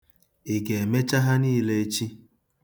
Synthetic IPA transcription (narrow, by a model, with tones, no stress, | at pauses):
e˨ɡe˨e˨me˦t͡ʃa˦ɦa˦ni˦˨le˦e˦t͡ʃi˦